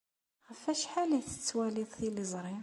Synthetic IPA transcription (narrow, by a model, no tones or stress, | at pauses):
ɣəfæʃħaliθə̥t͡sːwæliðˤθilizˤɾˤim